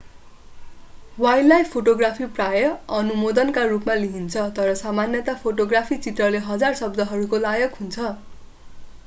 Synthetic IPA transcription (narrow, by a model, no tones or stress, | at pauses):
wajlːajpʰoʈoɡrapʰiprajʌʌnumod̪ʌnkarupmaliɦint͡sʰʌt̪ʌɾʌsamanjʌt̪apʰoʈoɡrapʰit͡sit̪rʌleɦʌd͡zarsʌb̚d̪ʱʌɦʌɾukolajʌkɦunt͡sʰʌ